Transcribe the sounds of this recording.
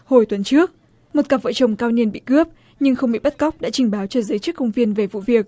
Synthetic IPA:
ho˧˩jt̪wə˨˦nt͡ɕɨ˦˥ək̚ | mo˨˩t̚kaː˨˩və̰ː˧˨t͡ɕə˨˩wŋ͡mkaː˧wɲi˧nɓḭ˧˨kɨ˦˥əp̚ | ɲɨ˧ŋxə˧wŋ͡mɓḭ˧˨ɓə˦˥t̚ka˦˥wk͡p̚ɗa̰ː˧˥t͡ɕï˨˩ŋ̟ɓaː˨˦wt͡ɕɔ˧zəː˨˦jt͡ɕɨ˦˥k̚kə˧wŋ͡mvi˧ənve˨˩vṵ˧˨vi˨˩ək̚

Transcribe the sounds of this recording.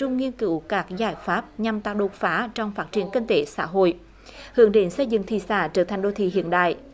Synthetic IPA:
ʊ˧ŋ͡mŋi˧ənkɨ˨˧˦wkaː˦˥k̚zaː˧˩jfaː˦˥p̚ɲa˨˩mt̪aː˧˨˩wɗo˨˩t̚faː˨˦˥t͡ɕɔ˧wŋ͡mfaː˦˥t̚t͡ɕi˧˩ənki˧nt̪e˨˦sa̰ː˧˥ɦo̰˧˨j | hɨ˨˧˩əŋɗe˨˦nsə˧jzɨ̰˧˨ŋt̪ʰḭ˧˨sa̰ː˧˩t͡ɕəː˧˦˩t̪ʰa˨˩jŋ̟ɗo˧t̪ʰḭ˧˨hḭ˧˨ənɗa̰ː˧˨j

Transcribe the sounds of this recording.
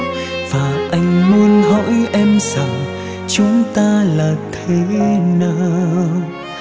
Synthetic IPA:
vaː˨˩ʔa˧jŋ̟mu˧ənhɔ̰˧˥jʔɛ˧msaː˧˩ŋ | t͡ɕʊ˨˦ŋ͡mt̪aː˧laː˨˩t̪ʰe˨˦naː˧

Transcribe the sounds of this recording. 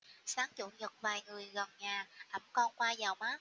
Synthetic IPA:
saː˨˦ŋt͡ɕṵ˧˨ɲə˨˩k̚vaː˨˩jŋɨ˨˩əjɣə˨˩nɲaː˨˩ʔə˧˩mkɔ˧nkwaː˧zaː˨˩wmaː˨˦

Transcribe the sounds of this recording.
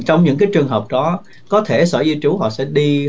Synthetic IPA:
t͡ɕɔ˧wŋ͡mɲɨ̰˧˥ŋkaː˨˦jt͡ɕɨ˨˩əŋɦəː˨˩p̚ɗɔ˨˦ | kɔ˨˦t̪ʰe˧˩səː˧˩zi˧t͡ɕu˨˦ɦɔ̰˧˨sɛ̰˧˥ɗi˧

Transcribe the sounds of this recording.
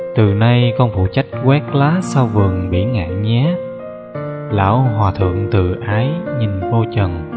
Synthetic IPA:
t̪ɨ˨˩na˧jkɔ˧nfṵ˧˨t͡ɕa˦˥jk̟̚ɣwɛ˦˥k̚laː˨˦saː˧wvɨ˨˩əŋɓḭ˧˩ənŋa̰ː˧˨ŋɲɛ˨˦ | la̰ː˧˥wɦwaː˨˩t̪ʰɨ̰˧˨əŋt̪ɨ˨˩ʔaː˨˦jɲi˨˩nvo˧t͡ɕə˨˩n

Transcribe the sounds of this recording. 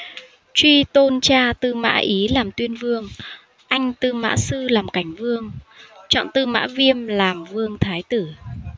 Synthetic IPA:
t͡ɕwi˧t̪o˧nt͡ɕaː˧t̪ɨ˧ma̰ː˧˥ʔi˨˦laː˨˩mt̪wi˧ənvɨ˧əŋ | ʔa˧jŋ̟t̪ɨ˧ma̰ː˧˥sɨ˧laː˨˩mka˧˩jŋ̟vɨ˧əŋt͡ɕɔ̰˧˨nt̪ɨ˧ma̰ː˧˥vi˧əmlaː˨˩mvɨ˧əŋt̪ʰaː˨˦jt̪ɨ˧˩

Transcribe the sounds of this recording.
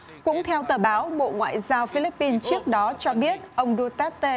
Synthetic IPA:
kʊ̰˧˥ŋ͡mt̪ʰɛ˧wt̪əː˨˩ɓaː˨˦wɓo̰˧˨ŋwa̰ː˧˨jzaː˧wfi˧li˦˥pːi˧nt͡ɕɨ˦˥ək̚ɗɔ˨˦t͡ɕɔ˧ɓi˦˥ət̚ʔə˧wŋ͡mɗu˧t̪aː˦˥t̪e˧

